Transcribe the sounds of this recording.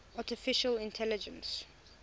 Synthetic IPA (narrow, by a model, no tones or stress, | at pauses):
atɪfɪʃəlɪ̃ntʰɛlɪd͡ʒə̃ns